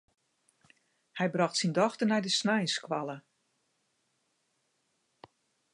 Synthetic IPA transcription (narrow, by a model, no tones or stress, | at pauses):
hɛjbrɑxtsindɔxtənɛjdəsnɛjnskʋalˠə